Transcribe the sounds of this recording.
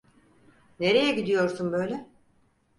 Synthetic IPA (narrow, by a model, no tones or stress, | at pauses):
ne̞ɾejɛɟid̪ijo̞ɾsunbø̞jlʲɛ